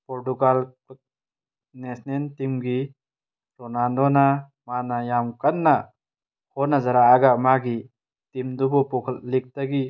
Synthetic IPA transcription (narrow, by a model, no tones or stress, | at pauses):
pɔɾtuɡal | nesnentimɡi | ɾɔnaldɔna | manajamkanːa | hɔnazaɾaːɡamaɡi | timd̪ubɔpɔkʰallik̚taɡi